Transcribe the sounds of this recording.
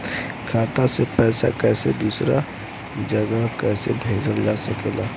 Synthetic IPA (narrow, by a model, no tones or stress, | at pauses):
kʰaːt̪asepɛːsa̰kɛːsed̪uːsɾa | d͡ʒəɡakɛːsḛɖʱeːɾəɾd͡ʒasɐkeːlaː